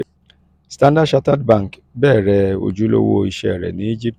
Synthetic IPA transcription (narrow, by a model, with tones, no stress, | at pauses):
stã˦nda˦ʃa˦ta˦dbã˦˨ŋ˨k | bɛː˦˨ɾɛ˨˦o̰˨d͡ʒu˦lo̰˦wo˦i˦˨ʃɛ˦ɛ˨ɾɛ̰˨ni˦i˦d͡ʒi˦p̚t